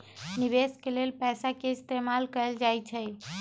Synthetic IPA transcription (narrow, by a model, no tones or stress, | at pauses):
niβeskelelpɛsakeist̪emalkəld͡ʒajt͡ʃʰɛ